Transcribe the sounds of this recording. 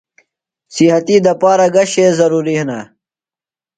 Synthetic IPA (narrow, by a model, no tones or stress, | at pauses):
sihɐt̪id̪ɐpaːɾaɡɐɕezɐɾuːɾihna̰